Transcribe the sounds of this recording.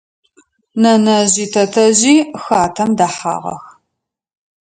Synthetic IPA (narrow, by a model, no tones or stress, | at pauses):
nɐnɐʑiːtʰɐtʰɐʑiːxaːtʰɐmdaħa̰ːʁɐ̰x